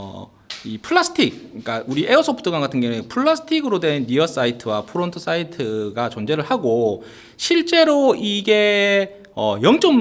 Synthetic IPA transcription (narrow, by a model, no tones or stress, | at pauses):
ipʰɯɭːasʰɯ̥tʰik̚ɯk͈auɾiʔe̞osʰʌpʰt͈ʰɯɡwaŋɡatʰɯnɡjʌŋuepʰɯɭːasʰɯ̥tʰiɡɯɾodwe̞nːijʌs͈aitʰɯwapʰɯɾontʰɯs͈aitʰɯɡat͡ɕʌnd͡ʑe̞ɾɯɭhaɡo | ɕʰiɭt͡ɕ͈e̞ɾoiɡe̞ | ʌ̰jʌŋt͡ɕ͈ʌm